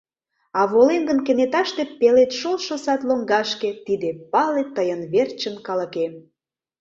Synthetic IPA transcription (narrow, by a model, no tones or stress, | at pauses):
ɑβolemɡənkĕnet̪ɑʃt̪epelet̪ʃolʃosɑt̪loŋɡɑʃket̪id̪epɑlet̪ːəjənβert͡ɕənkɑləke